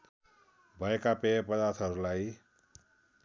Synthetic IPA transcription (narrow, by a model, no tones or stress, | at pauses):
bʱʌekapepʌd̪art̪ʰʌɾulaj